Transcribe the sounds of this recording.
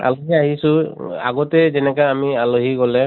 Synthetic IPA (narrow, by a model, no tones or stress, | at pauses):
a̰loɦiaɦisʊ̃a̰ɡɔtɛzɛnɛkaamialoɦiɡɔlɛ